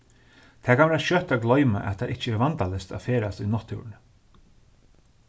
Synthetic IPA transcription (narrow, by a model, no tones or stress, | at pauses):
t̪ʰɛːkʰanʋɛːʃœt̪aɡlɔʏma̰ʔɛ̰t̪ʰːaʔɪht͡ʃəɛɾvant̪alɛst̪a̰feːɾast̪ʏnɔt̪ʰːṵːɾn